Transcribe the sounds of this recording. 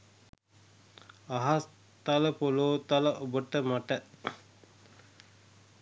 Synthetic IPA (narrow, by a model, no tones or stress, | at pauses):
aɦas | t̪aləpoloːt̪aləʔobəʈəmaʈə